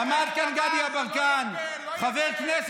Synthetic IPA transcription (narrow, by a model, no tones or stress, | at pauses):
ɐmaːɾkɐnɡaːd̪ijabɐŋkaːn | fɐfekʰneːs